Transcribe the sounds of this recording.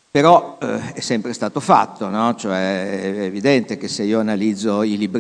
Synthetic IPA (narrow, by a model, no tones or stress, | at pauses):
peɾɔɛsːɛmpɾest̪aːt̪ofa̰t̪ːonɔt͡ʃoɛːvid̪ɛnt̪ek̟eseiːoanalid̪zːoilibɾ